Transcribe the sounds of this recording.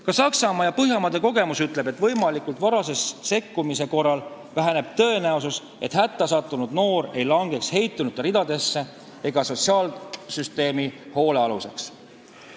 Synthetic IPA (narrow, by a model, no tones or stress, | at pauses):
kɑsɑksɑmɑjɑpɤɦjɑmɑd̪̥e̞ko̞ɡe̞musyt̪ˑle̞be̞t̪vɤjmɑlikult̪ˑvɑɾɑse̞sse̞kːumise̞ko̞rːɑl | væɦæne̞b̥̚t̪ɤ̞e̞næusus | ʔe̞̰t̪hæt̪ːˑɑsɑt̪ːˑunud̪̥no̞ːre̞jlɑŋɡe̞kshe̞jt̪ːˑunud̪rid̪̥ɑd̪̥e̞sːe̞ | eɡ̥ɑso̞t̪ʲsiɑːlsyst̪e̞ːmiho̞ːle̞ɑluse̞ks